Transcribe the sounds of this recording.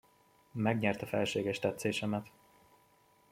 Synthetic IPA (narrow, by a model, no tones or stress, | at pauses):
mɛɡɲɛrt̪ɒfɛlʃeːɡɛʃt̪ɛt̪seːʃɛmɛt̪